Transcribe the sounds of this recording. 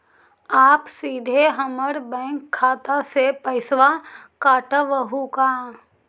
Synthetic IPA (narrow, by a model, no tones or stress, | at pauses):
aːpsiːd̪ʱeɦɐməɾbɛ̃ːŋkʰːaːt̪asepɐɪsʋakaːʈəʋəɦukaː